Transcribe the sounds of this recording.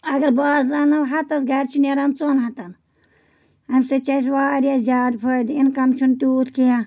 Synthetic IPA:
ɐɡɐɾbaːzanɐɦɐt̪ɐs̬ɡɐɾʲt͡ʃʰineɾant͡sonɦɐt̪ɐn | ɐmsɨt͡ʃɐs̬ʋaːɾijaːzʲjaːd̪pʰəd̪inkɐmt͡ʃʰunt̪uːt̪ʰkijã

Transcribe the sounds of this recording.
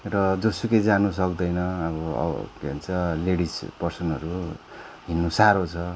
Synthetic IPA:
rʌd͡zʌsuked͡zanus̬ʌkd̪ʌjnʌːβʌ̰keɦont͡sʰʌleɽispʌrsʌnʌɾu | ɦinːusaɾot͡sʰʌ

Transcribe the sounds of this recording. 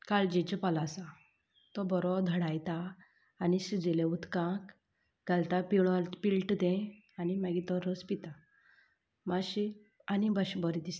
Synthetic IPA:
kald͡ʑɛt͡ɕəpalasã | t̪ɔbɔɾɔd̪ʱəɽajt̪aː | nisid͡zeleut̪kãk | ɡalt̪apiɭɔpilʈd̪ɛ̃ | animaɡit̪ɔɾəspit̪a | maɕi | anibəɕbɔɾid̪is

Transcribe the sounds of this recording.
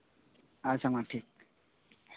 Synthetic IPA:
asaŋaʈʰik

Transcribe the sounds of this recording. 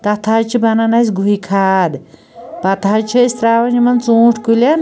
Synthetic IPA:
t̪ɐt̪ʰat͡ʃʰibɐnɐnɐsʲɡuikʰaːd̪ | pɐt̪ʰat͡ʃʰist̪ɾaːʋɐnimɐnt͡sõːʈʰkulʲɐn

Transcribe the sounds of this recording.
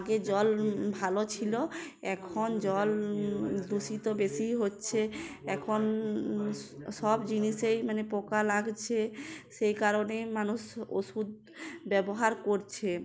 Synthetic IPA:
aɡed͡ʑɔlbʱalot͡ɕʰilo | ɛkʰond͡ʑɔl | d̪uʃit̪obeʃiɦotːɕʰeɛkʰon | ʃɔbd͡ʑiniʃejmanepokalaɡt͡ɕʰeʃejkaɾonemanuʃo̰ʃud̪̚ | bɛboɦaɾkoɾt͡ɕʰe

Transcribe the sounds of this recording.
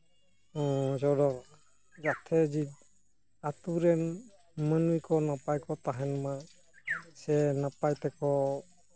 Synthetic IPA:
ɔ̃zɔɾɔ | zatʰɛzid | atuɾɛn | manujkɔnapajkɔtaɦɛnma | sɛnapajtɛkɔ

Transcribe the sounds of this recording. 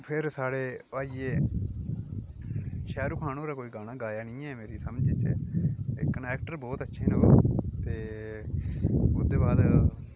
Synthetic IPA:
pʰɪɾsaːɽeːaːiːeː | ʃɛːɾukʰaːnõːɾaːkoːiːɡaːnaːɡaːjaːnĩːɛːmeːɾiːsəmd͡ʒit͡ʃɛ̰ːkənɛːk̚ʈəɾbɔːt̪ətːʃʰeːnəːaːt̪eː | ʊd̪eːbaːd̪

